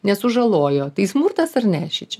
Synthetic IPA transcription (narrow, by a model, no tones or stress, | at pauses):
nʲɛsʊʒɐlˠoːjoːt̪ɐɪsmurt̪ɐsɐrnʲæːʃʲɪt͡ʃʲɛ